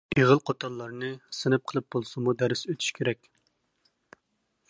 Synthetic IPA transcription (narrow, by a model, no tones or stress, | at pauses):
iʁəlˠqʰot̪ʰɑlˠːɑɾnɨsɨnɨp̚qʰəlˠɨp̚b̥olˠsumud̪æɾɪsøt̪ʰy̥ʃkʲʰeɾɛkʲ